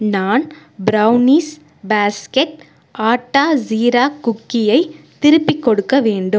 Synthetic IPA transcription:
naːn | bɾɐʊniːs | baːskɛʈ̚ | ʔaːʈːaːziːɾaːkʊkːɪjɐɪt̪ɪɾɯpːɪkːɔɽɯkːɐʋeːɳɖɯm

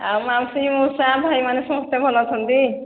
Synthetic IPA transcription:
amamsimusabʱajmanesɔmɔst̪ebʱɔlɔt̪ʰɔnt̪i

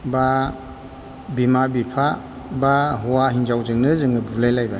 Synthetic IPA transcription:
ba | bimabipʰa | baɦɔwaɦinzawzɯŋnɯzɯŋɯbulajlajba

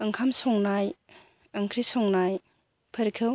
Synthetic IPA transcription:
ɯŋkʰamsɔŋnaj | ɯŋkʰɾisɔŋnaj | pʰəɾkʰɯw

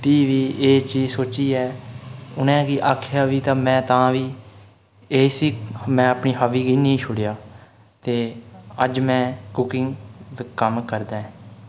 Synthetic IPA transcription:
ʈiːʋiːeːt͡ʃiːzsoːt͡ʃiːɛːʊnɛ̃ːkiːʔaːkʰjaːʋiːt̪ãːmɛ̃ːt̪ãːʋiː | eːsiːmɛ̃ːəpniːɦaʋiːɡiːnĩːʃʰʊɽjaː | t̪eːəd͡ʒmɛ̃ːkʊkɪŋɡd̪kəmkəɾd̪ãːɛ̃

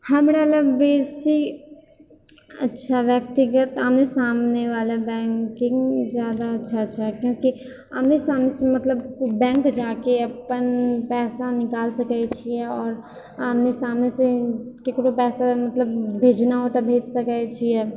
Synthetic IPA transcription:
hɐmɾaləɡbeːsi | ɐ̰tːʃʰaʋjɐkt̪ɪɡət̪əmnesaːmneʋaːlabɛ̃ːŋkɪ̃ŋɡzjaːd̪aɐtːʃʰaɐtːt͡ʃʰaɦɛkjõːki | ɐ̰mnesaːmnesemɐt̪ləbbɛ̃ːŋkd͡ʒaːkeɐpənpɛːsanɪkaːlsɐkaet͡ʃʰiɛɔːɾ | amnesaːmnesekekɽopɛːsamɐt̪ləb̚bʱeːd͡ʒnaɦoːt̪abʱeːd͡ʒsɐkəet͡ʃʰiɛː

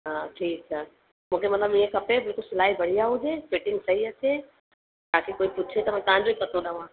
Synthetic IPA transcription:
ɦãːʈʰiːkaː | mũːkʰemɐt̪ləbiẽkɐpebɪlkʊlsɪlaːɦibɐɽ̤ijaɦʊd͡ʒepeːʈɪ̃ŋɡsɐɦiɐtʰe | t̪aːkekoːipʊt͡ʃʰet̪ɐmãːt̪ɐ̃ɦãɲd͡ʑoipɐt̪ʰoɗɐʋãː

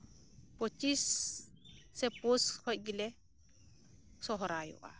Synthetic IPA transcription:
pot͡ʃisː | ɛposhɔʔɡilɛ | sɔɦɔɾajṵʔa̰

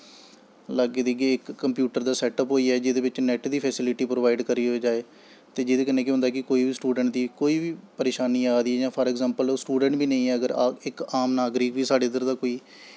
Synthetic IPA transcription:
laɡeːd̪iɡeːɪkːəmpjuːʈəɾd̪aːsɛːʈəpɦoːiːɛːd͡ʒɪd̪eːʋɪt͡ʃnɛʈd̪iːpʰɛːsɪlɪʈiːpɾoːʋaːɪɖkəɾiːɦoed͡ʒaːeː | t̪eːd͡ʒɪd̪eːkɪnẽːkeɦʊnd̪aːkɪkoːiːʋiːsʈuːɖəɳʈ̚d̪iːkoːiːʋiːpəɾeːʃaːniːaːd̪iːɛːd͡ʒãːpʰəːɾɛːɡzɛːmpəlːsʈuːɖə̃ɳʈbiːnəĩɛːəɡəɾɪkaːmnaːɡɾiːkʋiːsaːɖeːd̪d̪əɾd̪aːkoːiː

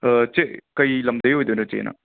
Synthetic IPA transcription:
t͡ʃekɐjlɐmd̪ɐjɦojd̪onot͡ʃḛnʔɐ̰

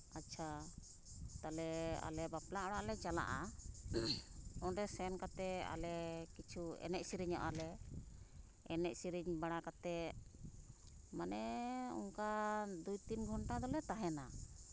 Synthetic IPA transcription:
at͡ʃʰa | t̪alɛa̰lɛbaplaɔɽaʔlɛt͡ʃala̰ʔa | ɔnɾɛsɛnkat̪ɛa̰lɛkit͡ʃʰuɛ̰nɛʔ̚siɾiɲɔʔa̰lɛ | ɛnɛʔ̚siɾiɲbaɽakat̪ɛ | manɛɔ̰ŋkad̪ujt̪inɡʱɔɳʈad̪ɔlɛt̪aɦɛna

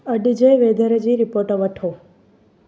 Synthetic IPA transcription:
əɖid͡ʒeʋed̪ʱəɾed͡ʒiɾipoɾʈəʋəʈʰo

